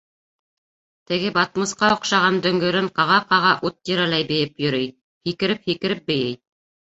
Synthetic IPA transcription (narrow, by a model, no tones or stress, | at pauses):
t̪ɘ̆ɡɘbɑt̪̚mɤ̆sqɑŏqʃɑʁɑnd̪ɵ̆ŋɡɵ̆ɾɘɴqɑʁɑqɑʁɑʔut̪̚ːiɾælæjbɘ̆jɘpjɵ̆ɾɘj | hikɘ̆ɾɘp̚hikɘ̆ɾɘp̚bɘ̆jɘj